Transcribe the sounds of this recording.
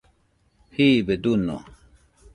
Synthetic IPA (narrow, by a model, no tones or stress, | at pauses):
hibed̪unːo̰